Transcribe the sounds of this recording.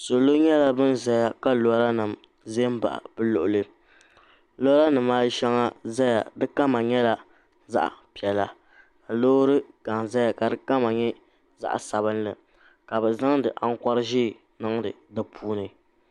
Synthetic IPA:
so˨lo˦ɲɛ˦la˦bɨ˦nza˦ja˦ka˦lo˨˦ɾa˦nɨ˨m | ze˦m˦ba̰˨ʔa̰˨bɨ˦lʊ̰˨ʔʊ˨lɨ˦ | lo˦ɾa˦nɨ˨maː˦ʃɛ˦ŋa˦za˦ja̰˨dɨ˦ka˦ma˨ɲɛ˦la˦ | za̰˦ʔa̰˨pi˨ɛ˨la̰˨ | ka˨loː˦ɾɨ˦ɡ̥a˨ŋza˦ja˨ka˨dɨ˦ka˦ma˨ɲɛ˦ | za̰˦ʔsa˨bɨ˦nlɨ˨ | ka˨bɛ˨za˦ŋdɨ˨ʔa˦ŋ̩˦ka˦ɾɨ˦ʒiː˦˨ | nɨ˦ŋdɨ˨dɨ˦pʰuː˦nɨ˨

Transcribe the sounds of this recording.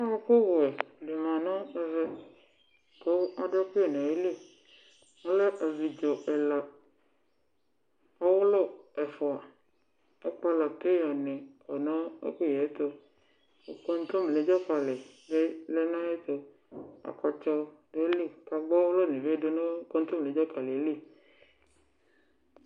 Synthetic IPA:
a˦ɔ˦ko˦wʊ˨ɛ˨de˨mã˨nɔ̃˦ɛ˨zɛ˦ | ko˦a˨de˦ku˦e˨ne˨e˦li˦˨ | ŋo˦lɛ˦ʔa˨vi˨d͡ʒo˨ʔɛ˨la˨ | ɔ˦wʊ˦lɔ˦˨ɛ˨fɔ˨a˨ | e˦k͡pa˦la˨ke˦jɔ˨nẽ˨ɔ˨nɔ̃˦ḛ˦ku˦˨jɛ˨˦t̪o˧ | o˨kɔ˦n˦t̪o˦m˨le˨˦d͡ʒɔ˦k͡pa˨lɛ˨le˦lɛ˦nã˦e˦t̪o˨ | a̰˨kɔ˨t͡ʃɔ˧de˦le˦˨ka˨ɡ͡bɔ˦wʊ˦lɔ˦˨nẽ˨ve˦do˦no˦kɔ˦n˦t̪o˦m˨le˨˦d͡ʒɔ˦ka˨le˨˦le˦˨

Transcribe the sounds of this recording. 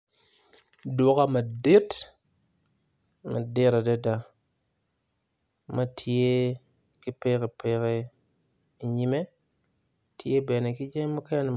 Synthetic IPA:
do˨˦ka˦ma˨de˦t | ma˨de˦ɾa˨de˦da˨ | ma˦tʰi˨je˦ | ki˦pe˦ke˨pe˨˦ke˨ | i˨ɲi˦˨me˦ | tʰi˨je˦be˨ne˨ki˦d͡ʒe˦ma˦ka˦ja˦n˨

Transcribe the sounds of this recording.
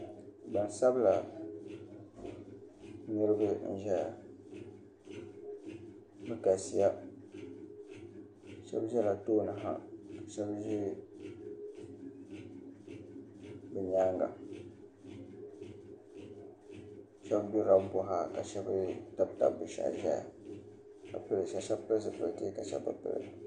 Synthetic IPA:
ba˨n˨sa˦bla˨ | ni˦ɾɨ˦bɨ˦n̩˦ʒɛ˦ja˨ | bɨ˦ka˨si˨ja˦˨ | ʃɛ̰˦bʒɛ˦la˨toː˦nɨ˨ɦa̰˦ka˨ʃɛ˦bʒi˦ | bɨ˨ɲaː˦ŋɡa̰˨ | ʃɛ˦bbi˦ɾa˦bbʊ˨ɦa˦ka̰˨ʃɛ˦bɨ˦ta˦bta̰˨bɨ˨ʃa̰˨ʒɛ˦ja̰˨ | ka̰˨pɨ˦ɾʃa˦ʃɛ˦bpɨ˦ɾsɨ˨pɨ˨ɾti˦ka˨ʃɛ̰˦bɨ̰˦pɨ̰˦ɾɨ̰˨

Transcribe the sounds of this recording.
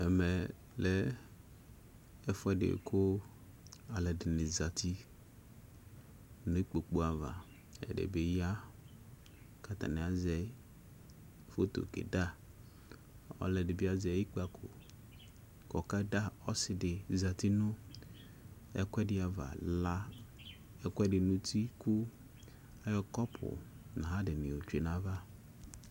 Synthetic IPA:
ɛ˨mɛ˨ | lɛ˦ | ɛ˦fʊ˦ɛ˦ɖḛ˨kʰo˦ | a˨lɛ˨ɖɪ˨nɪ̃˨za˨t̪i˦ | nʊ̃˦k͡po˨k͡po˦a˨va̰˨ | ɛ̰˨ɖḛ˨be˦ja˦ | ka˨t̪a̰˨nẽ˨a˨zɛ˦ | fo˦t̪o̰˨kḛ˨da˦ | ɔ̰˦lɛ˨dɪ˨bi˦a˨zji˦k͡pa˨kʰʊ̰˨ | kɔ˨ka˦da˦ɔ˦sɪ˨dɪ˨za˨t̪i˦nʊ̃˦ | ɛ̰˦kʷɛ˦dɪ˦a˨va̰˨la˦ | ɛ˦kɛ˦dɪ˨nũ˦t̪i˦kʊ˦ | a˦jɔ˦kɔ˦pʰʊ̰˨ | nã˨ɦa˦dɪ˨nɪ̃˨o˨t͡ʃu˦e˨nã˨va˦

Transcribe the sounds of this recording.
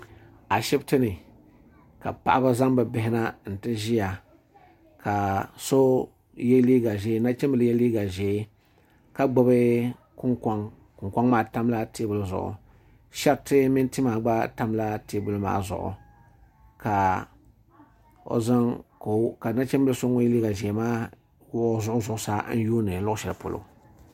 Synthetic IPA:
a˨ʃɛ˦btɨ˦nɨ˨ | ka̰˨pa˨ʔa˦ba˦za˦ŋba˨bɪ˦ɦɪ˦na˦n̩˨tɨ˦ʒi˦ja˨ | ka˨so˦ | jɛ˦liː˦ɡa˨ʒɛ˨˦na˦t͡ʃɛ˦m˦bɨ˨ljɛ˦liː˦ɡa˨ʒe˨˦ | ka˦ɡ͡bo˨bɨ˦ | kʊ˦ŋka˦ŋ | kʊ˨ŋka˦ŋmaː˨ta˦mla˦te˦bʊ˨lzʊ̰˨ʔʊ̰˨ | ʃa˦ktɪ˦mɪ˦nti˦maː˨ɡ͡ba˦ta˦mla˦te˦bʊ˨lɨ˦ma̰ː˦zʊ̰˨ʔʊ̰˨ | ka˨ | o̰˨za˦ŋ˨ | ka˨na˦t͡ʃɛ˦mbɨ˦lɨ˦so˦ŋʊ˦jɛ˦liː˦ɡa˨ʒɛ˨maː˦ | wzʊ˦ʔʊ˦zʊ˦ʔʊ˨˦sa˦n̩˦juː˦nɨ˨n̩˦lʊ˦ʔʊ˦ʃɛ˨la̰˨po̰˨lʔʊ̰˨

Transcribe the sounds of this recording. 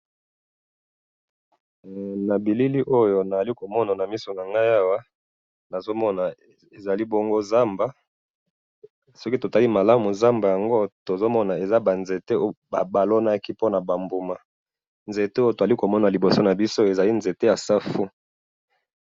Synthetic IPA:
na˨bi˨li˦li˦ʔo˦jo˦˨na˨za˨li˦ko˨mɔ˦na˨na˨mi˦so˨na˨ŋɡa˦ja˦wa˦ | na˨zo˦mɔ˦na˨ | e˨za˨li˦bo˦ŋɡo˦za˦mba˦ | sɔ˦ki˦to˨ta˨li˦ma˨la˦mu˨za˦mba˨ja˨ŋɡo˦to˨zo˦mɔ˦na˨e˨za˦ba˨nze˨te˦ba˨ba˨lo˦na˦ki˦po˦na˨ba˨mbu˨ma˨ | nze˨te˦o˦jo˦to˨za˨li˦ko˨mɔ˦na˨li˨bo˨so˦na˨bi˦so˦e˨za˨li˦nze˨te˦ja˨sa˦fu˦

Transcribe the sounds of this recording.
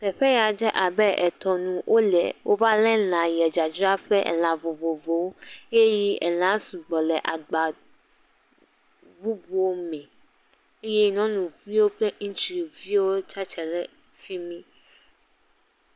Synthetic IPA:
t̪ɛ˨ɸɛ˦ja˨d͡ʒɛ˦ʔa˨bɛ˦ʔɛ˨t̪ɔ˨nũ˨wʔo˦lɛ̰˨wʔo˦va˦lɛ˦lã˨jɛ˨d͡ʒa˨d͡ʒɔ˦a˦ɸɛ˦ʔɛ̰˨l̃ã˨vo˨vo˨vo˨we˦ji˦ɛ̰˨l̃ã˨˦su˨ɡ͡bɔ˨lɛ˨ʔa˨ɡ͡ba˨ | vu˦bu˦wo˦mɛ̃˨ | e˦jɛ˦nɔ̃˦nũ˨vi˦wo˦k͡plɛ˦ŋ̩˦t͡ʃi˨vi˦wo˦t͡ʃa˦t͡ʃɛ˨lɛ˦ | fi˦mĩ˦

